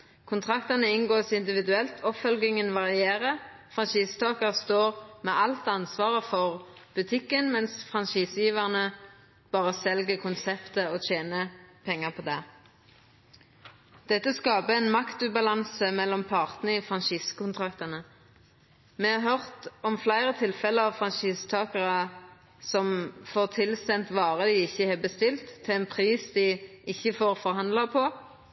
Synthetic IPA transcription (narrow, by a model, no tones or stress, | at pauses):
kʰʊnt̪ʰʁɑkt̪ɑnəɪnɡoːsɪnd̪ɪʋɪd̪ʉɛlt̪ʰɔpfœlɡɪŋənʋɑʁɪeːʁə | fʁɑnʃiːst̪ʰɑːkəʁst̪oːʁmɛʔɑlt̪ɑnsʋɑːʁəfɔʁ | b̥ʉt̪ʰɪkːənmɛnsfʁɑnʃiːsjiːʋæʁnə | b̥ɑːʁəsɛlɡəkʰʊnsɛpt̪əɔːtʰeːnəpʰɛŋːəʁpʰɔd̪ɛ | d̪̥ɛt̪ːəskɑːpəɛnmɑkt̪ʉːbɑlɑnsəmɛlːɔmpʰɑʁt̪n̩ifʁɑnʃiːskʊnt̪ʰʁɑkt̪ɑnə | mɛhɑʁɦœʁt̪ɔmflæɪʁət̪ʰɪlfɛləɑʋfʁɑnʃiːst̪ʰɑːkəʁə | sɔmfoːʁt̪ʰɪlst̪ɛnt̪ʋɑːʁəd̪ɪɪçːəhɛːbəst̪ɪlt̪ʰːɪlɛnpʰʁiːsd̪ɪʔɪçːəfoːʁfɔʁhɑnd̪lɑpʰɔ